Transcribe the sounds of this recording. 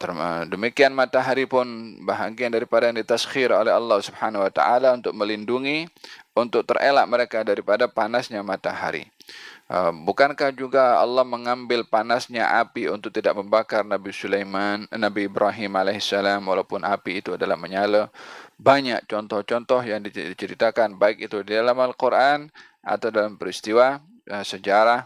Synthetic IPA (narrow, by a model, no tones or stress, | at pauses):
t̪ərədəmikianmat̪aɦaɾipʊnbaɦaɡiandaɾipadajaŋdit̪asxiɾolɛɦɑlːɑhsubhanwat̪a̰ʔalaunt̪ʊk̚məlinduŋiunt̪ʊk̚t̪ərḛla̰ʔməɾekadaɾipadapanasɲamat̪aɦa̰ɾḭʔə̰bukankahd͡ʒuɡaɑ̰lːɔhməŋambɪlpanasɲaʔapiunt̪ʊk̚t̪idaʔ̚məmbakarnabisulejmanːabiːbɾaɦimalehsalamwalawpʊnapiːt̪uadalahməɲaləbaɲak̚t͡ʃɔnt̪ɔht͡ʃɔnt̪ɔhjaŋdit͡ʃəɾḭt̪akanbaɪkit̪udidalamalkuɾʔan | a̰t̪awdalampəɾist̪iwa | əsəd͡ʒaɾah